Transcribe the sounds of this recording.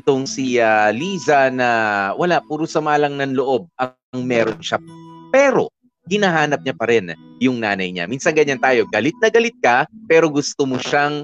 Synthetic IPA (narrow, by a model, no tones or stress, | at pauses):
t̪oŋsialiːzɐnɐwɐlaʔpuːɾʊsɐmaːlɐŋnɐnloʔo̞b̚ʔɐ | ŋmɛːɾonʃɐpɛːɾo̞̰ | hɪnaɦaːnɐp̚ɲapɐɾɛnjʊŋnaːnɐjɲa̰miːnsɐnŋɡɐɲant̪aːjo̞ɡɐlɪt̪̚nɐɡɐlɪt̪̚kɐpɛːɾo̞ɡʊst̪omoʃaŋ